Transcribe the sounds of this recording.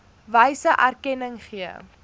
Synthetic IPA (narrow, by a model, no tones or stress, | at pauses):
vəjsəʔærkɛnəŋχiə̰